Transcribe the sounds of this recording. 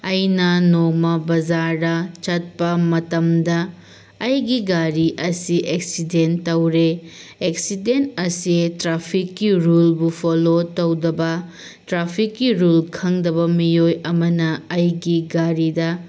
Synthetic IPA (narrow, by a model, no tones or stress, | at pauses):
ɐjnɐnomɐbɐd͡ʒaɾdɐt͡ʃɐt̚pɐmɐtɐmdɐː | jɡiɡaɾiʔɐsiʔeksidentɐwɾeeksidentɐsitɾapʰikːiɾulbupʰolotɐwdɐbɐ | tɾapʰikːiɾulkʰɐŋdɐbɐmiojɐmɐnɐɐjɡiɡaɾidɐ